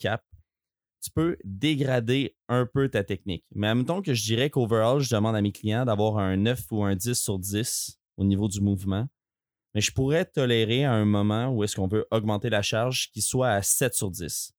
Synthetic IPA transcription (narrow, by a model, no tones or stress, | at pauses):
kʰʲap̚ | t̪y̥pød̪eɡʁad̪e | ɛ̃pøt̪at̪ɛk̚nɪ̰kmɛamət̪ɔ̃kəʒəd̪iːʁɛkovə˞ɔlʒəd̪əmɑ̃d̪ameklijɑ̃d̪avwaːʁɛ̃nœfuɛ̃d͡zɪsːyʁdd͡zɪs | onivod̪ymuvmɑ̃ | mɛʒəpuʁɛt̪ɔleʁeaɛ̃mɔmɑ̃uɛskɔ̃vøʔɔɡmɑ̃t̪elaʃaʁʒkʲiswaːsɛt̪syʁdd͡zɪs